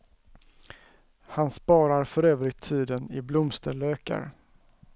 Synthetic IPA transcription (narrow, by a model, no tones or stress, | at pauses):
hanspɑːɾaɾfœɾøːvɾɪt̪ʰːiːd̪ənɪblʊmst̪ʰəløːka̰ɾ